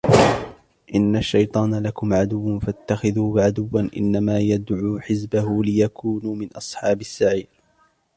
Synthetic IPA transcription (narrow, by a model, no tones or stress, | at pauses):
ʔɪnːaʃːajt̪ˤɑːnalakʊmʕad̪ʊwːfat̪ːaxɪðuːʕad̪ʊwːanʔɪ̰nːamaːjad̪ʕuːħɪzbahʊlɪjakʰuːnuːmɪnʔɑsˤħɑːbɪsːaʕiːɾ